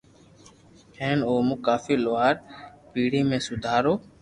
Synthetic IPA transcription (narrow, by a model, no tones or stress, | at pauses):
hẽːnoːmũːkaːfiːloaːɾpiːɽiːmẽːsʊd̪ʱaːɾoː